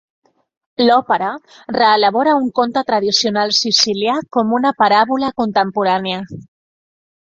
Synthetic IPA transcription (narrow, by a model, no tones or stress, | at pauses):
lɔpəɾa | reːlaβ̞ɔɾauŋkont̪at̪ɾað̞isionalˠsisiljakomunapaɾaβulakunt̪əmpuɾanea